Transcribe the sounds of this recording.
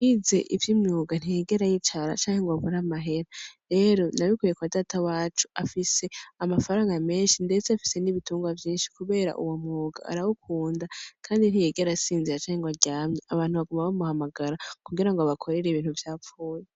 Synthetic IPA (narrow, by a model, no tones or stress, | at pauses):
ize̞̰ʔivjimɲuːɡan̥ijeɡe̞ɾajit͡ʃaɾa̰t͡ʃaːŋ̥he̞ŋɡoaβuɾamaɦe̞ɾaɾe̞ːɾo̞naβikujekuβadatawaːt͡ʃu̥afise̞amafaɾaːŋɡame̞ːnʃinde̞t͡seafi̥se̞niβituːŋɡwavjiːnʃi̥kuβe̞ːɾa̰ʔuwomŋuːɡa̰a̰ɾawukʰuːndakʰaːndin̥hije̞ɡe̞ɾasiːnziɾat͡ʃaːŋheŋɡoβaɾɟaːmɲeaβaːn̥huβaɡumaβamuhamaɡaɾakuɡiɾaŋɡoβakʰo̞ɾe̞ɾeiβiːn̥huvjaːfuːje